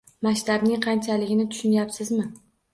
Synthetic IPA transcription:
maʃt̪abnɪŋqʰɑnt͡ʃʰalɪɡʲɪnɪt̪ʰʊ̥ʃʊnjapsɪzmɪ

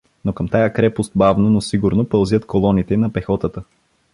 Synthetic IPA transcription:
nokəmt̪ajakɾɛpost̪̚bavnonosiɡʊɾnopəlˠzʲət̪kolˠɔnit̪ɛnɐpɛxɔt̪ət̪ə

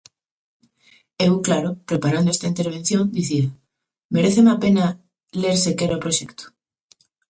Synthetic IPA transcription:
ewklaɾopɾepaɾand̪oest̪aint̪eɾβ̞en̟θjõnd̪iθia | meɾeθemapena | leɾsekeɾaopɾoʃekt̪o̥

